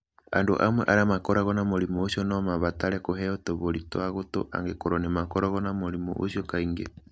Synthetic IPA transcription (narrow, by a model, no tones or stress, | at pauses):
a̰ndo̰ʔa̰mwɛ̰ʔaɾamakɔɾaɣɔnamoɾimuosiɔnɔmaβataɾɛkoɦɛotoβoɾitoaɣoto̰ʔa̰ŋɡekoɾonemakɔɾɔɣɔnamoɾimṵʔo̰ʃiɔkaiŋɡḛ